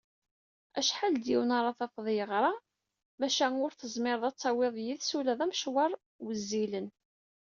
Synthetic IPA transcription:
æʃħald̪jiwnɑɾˤɑθɑfðˤjəʁɾˤɑ | mæʃænʊɾθəzˤmɪɾˤðˤɑt͡sˤːɑwɪðˤjiðsulæðˤæmʃwɑɾˤ | wəzːilən

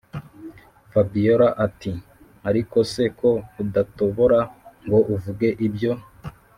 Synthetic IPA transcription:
fabijoɾaʔati | aɾiko̞sekʰo̞udatoβoɾaŋɡo̞ʔuvuɡe̞ʔibjo̞

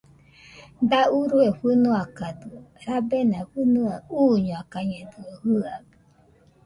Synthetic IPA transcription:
d̪auɾuefɨnuakad̪ɨɾabenãfɨnuauːɲoakaɲɛd̪ɨohɨabu

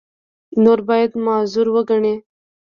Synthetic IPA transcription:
noɾbɑjad̪mɑzuɾwəɡaɳe

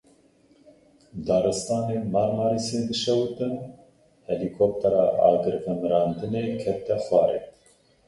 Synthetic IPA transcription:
d̪ɑːɾɨst̪ɑːneːmɑːɾmɑːɾisjend̪ɨʃɛwt̪ɨn | hɛlikʰop̚t̪ʰɑɾɑːʔɑ̰ːɡɨɾvɨmɾɑːnd̪ɨneːkʰɛt̪ɛxwɑːɾḛt̪

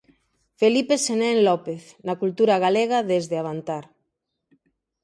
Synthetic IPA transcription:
felipesenɛ̃nlɔpeθnɐkult̪uɾɐɣaleɣaðezðeaβ̞ant̪aɾ

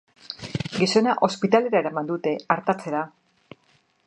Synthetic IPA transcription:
ɡiso̞naʔo̞spit̪ale̞ɾaeɾamand̪ut̪e̞aɾt̪at͡se̞ɾa

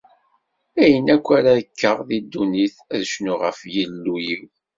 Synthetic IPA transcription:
æjənækʷːaɾaðəkːəʁðid̪ːuniθæðʃnuʁə̰fjəlːujiw

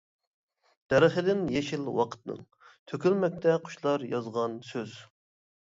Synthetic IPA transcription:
d̪̥ɛɾəχəd̪ɪnjeʃilwɑqʰə̥t̪nɨ̰ŋ | t̪ʰøkʲylmɛk̚ʲt̪ʰɛqʰʊ̥ʃlˠɑɾjɑzʁɑnsøz

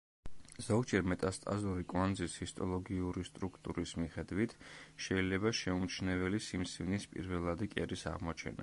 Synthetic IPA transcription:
zɔɡd͡ʒɛɾmɛt̪ʼast̪ʼa̰zuɾikʼwand̪zishist̪ʼɔlˠɔɡiuɾist̪ʼɾukʰt̪ʼṵɾismiχɛd̪wit̪ʰʃɛilɛbaʃɛumt͡ʃʰnɛvɛlisimsivnispʼḭɾvɛlˠad̪ikʼɛɾisa̰ʁmɔt͡ʃʰɛ̰na̰

